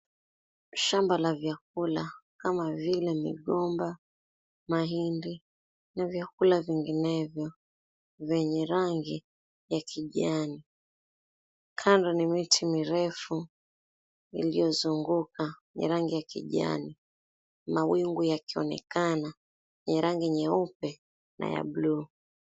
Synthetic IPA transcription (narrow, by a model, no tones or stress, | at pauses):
ʃambalavjak̚ulakamavilɛmḭɠɔmba | maɦindi | navjakulaviŋɡinɛvjɔ | vɛɲɛɾaŋɡi | jakʰiʄani | kʰandɔnimitʰimiɾɛfu | ḭlijɔzuŋɡukaɲɛ̰ɾaŋɡijakḭʄa̰ni | mawiŋɡujakiɔ̰nɛ̰kana | ɛɲɛɾaŋɡiɛɲɛupɛ | nʔa̰ja̰bluː